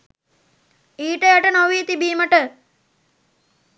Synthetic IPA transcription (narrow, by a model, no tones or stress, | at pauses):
iːʈəjaʈənoʋiːt̪ibiːməʈə